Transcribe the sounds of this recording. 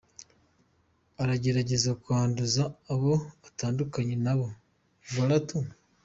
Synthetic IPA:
aɾaɟe̞ɾaɟe̞zakuaːnduzaːβo̞βataːndukaɲe̞naβo̞ | βaɾatu

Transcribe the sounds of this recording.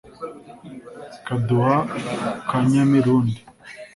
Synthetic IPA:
kaduhakaɲamiɾuːndi

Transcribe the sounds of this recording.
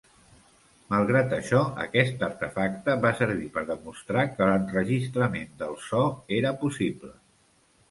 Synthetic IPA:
məlˠɣɾat̪əʃɔə̰kɛst̪əɾt̪əfak̚t̪əβasəɾβ̞ipəɾðəmust̪ɾakələnrəʒist̪ɾəmend̪əlˠsɔeɾəpusiblə

